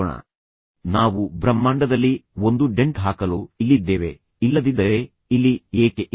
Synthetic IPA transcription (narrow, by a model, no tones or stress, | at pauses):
ɳɐ̰ | naːʋubɾɐmːaːɳɖɐd̪ɐlːiond̪uɖe̞ɳʈɦaːkɐloːilːid̪ːe̞ːʋe | ilːɐd̪id̪ɐɾe | ilːieːkeʔ